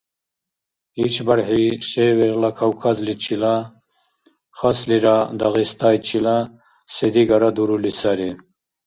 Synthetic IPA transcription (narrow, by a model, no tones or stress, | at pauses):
it͡ɕʰbɐɾɦiseweɾlakʰawkʰazlit͡ɕʰila | χasliɾad̪aɣist̪aːjt͡ɕʰila | sed̪iɡaɾad̪uɾulisɐɾi